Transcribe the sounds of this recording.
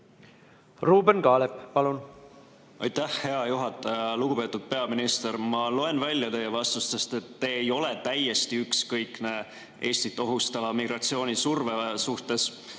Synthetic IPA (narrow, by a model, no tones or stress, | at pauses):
ruːbenkɑːleppɑlun | ɑ̰jt̪æhhe̞ɑjuɦɑt̪ːˑɑjɑluɡ̥upe̞ːt̪ud̪̥̚pe̞ɑminist̪e̞ɾmɑlo̞e̞nvælʲjɑt̪e̞jevɑst̪ust̪est̪e̞t̪ːeːjo̞le̞t̪æjːe̞st̪iykskɤjkne̞ | ʔeːst̪it̪ːˑo̞ɦust̪ɑvɑmiɡ̥ɾɑt̪sio̞ːnʲisurvesuht̪e̞s